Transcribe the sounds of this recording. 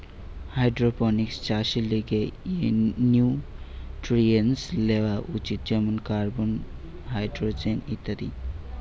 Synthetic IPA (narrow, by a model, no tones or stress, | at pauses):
hajɖɾopɔnikst͡ʃasiliɡe | nju | ʈɾienslewaʔut͡ʃit̪̚d͡ʒəmənkaɾbon | ɦajɖɾod͡ʒenit̪əɾi